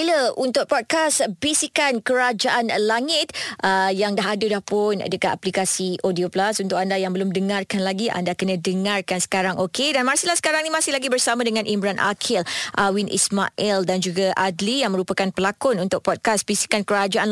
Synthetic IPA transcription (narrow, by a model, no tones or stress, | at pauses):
iləʔunt̪ʊk̚pɔd̚kasbisikankəɾad͡ʒaʔanlaŋɪt̪̚ʔəjaŋdaɦadulahpʊna̰dəkat̪aplikasiʔodioplasunt̪ʊk̚andajaŋbəlʊmdəŋãrkanlaɡiʔa̰ndakənə̃dəŋarkansə̥kaɾaŋokedanmaɾsilahsə̥kaɾaŋnimãsɪhlaɡibərsamãdəŋãnʔimbɾanʔa̰kʰɪlʔawinʔḭsma̰ʔɛldand͡ʒuɡaʔadlijaŋmə̃ɾupakanpəlakʊnunt̪ʊk̚pɔd̚kasbisi̥kankəɾad͡ʒaʔan